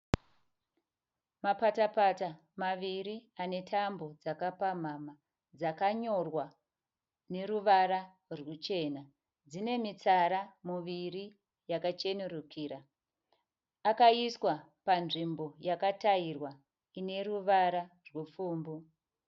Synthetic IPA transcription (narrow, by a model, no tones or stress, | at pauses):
mapatapata | maʋiɾiane̞tʰambo̞d͡zakapam̤ama | d͡zakaɲo̞rwa | ne̞ruʋaɾa | rwut͡ʃe̞ːna | d͡zine̞mit͡saɾamuʋiri | jakat͡ʃe̞nuɾukiːɾa | kaiswa | panʐimbo̞jakatairwa | ine̞ruʋaɾa | rwep͡fuːmbu